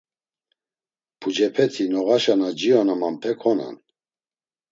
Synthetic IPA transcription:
pʰud͡ʒɛpʰɛt̪ʰinɔɣaʃanad͡ʒiɔnamampʰɛkʰɔna̰n

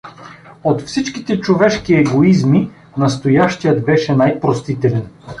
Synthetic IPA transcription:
ot̪fsit͡ʃkit̪ɛt͡ʃovɛʃkiɛɡoizmi | nɐst̪ojaʃt̪ijəd̪bɛʃɛnajpɾost̪it̪ɛlɛn

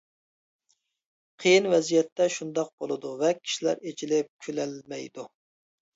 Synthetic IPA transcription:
qʰəjinvɛzijɛt̪ʰːɛʃund̪ɑq̚bolˠɨd̪uvɛkʲʰi̥ʃilæ̰ɾet͡ʃʰilɪp̚kʲʰølɛlmɛjd̪u

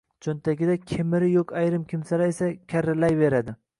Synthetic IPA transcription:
t͡ʃʰont̪ʰakʲɪd̪akʲʰemɪɾɪjokʲajɾɪmkʲʰɪmsalaesakʲʰaɾːɪlajve̞ɾad̪ɪ

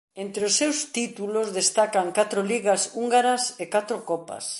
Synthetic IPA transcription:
ent̪ɾeosːewst̪it̪ulozðest̪akaŋkat̪ɾoliɣɐsuŋɡaɾɐsekat̪ɾokɔpɐ̰s

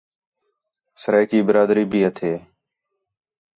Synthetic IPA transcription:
səɾeːkiːbəɾaːd̪ɾiːbʱiːɦət̪ʰeː

